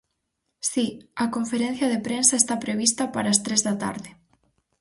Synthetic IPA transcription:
siɐkoɱfeɾen̟θjɐðepɾensɐest̪apɾeβ̞ist̪ɐpaɾɐːst̪ɾezðɐat̪a̰ɾðɪ

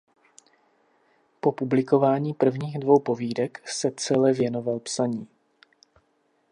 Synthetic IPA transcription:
po̞publɪko̞vaːɲiːpr̩vɲiːɣdvo̞wpo̞viːdɛksɛt͡sɛlɛvjɛno̞valpsaɲiː

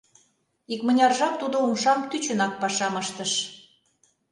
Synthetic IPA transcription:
ikmə̆nʲɑrʒɑp̚t̪ud̪oumʃɑmt̪yt͡ɕə̆nɑk̚pɑʃɑməʃt̪əʃ

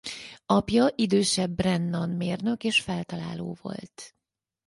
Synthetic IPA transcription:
ɒpjɒʔid̪øːʃɛbːrɛnːɒnmeːrnø̞keːʃfɛlt̪ɒla̰ːlo̰ːvo̞̰lt̪

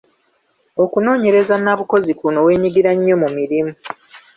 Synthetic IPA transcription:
o̞kuno̞ːɲe̞ɾe̞zanaβuko̞zikuno̞we̞ːɲiɡiɾaɲːo̞mumiɾimu

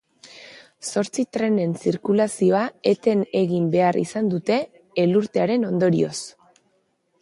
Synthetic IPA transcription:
so̞ɾt͡sit̪ɾe̞ne̞nsiɾkulasio̞ae̞t̪e̞ne̞ɣimbe̞arḭsand̪ut̪e̞ː | luɾt̪e̞aɾe̞no̞nd̪o̞ɾḭo̞s

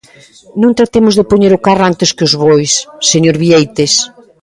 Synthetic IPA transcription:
nõŋt̪ɾat̪emʊzðɪpoɲeɾʊkarant̪ɪskɪʊzβojsːeɲoɾβiejt̪es

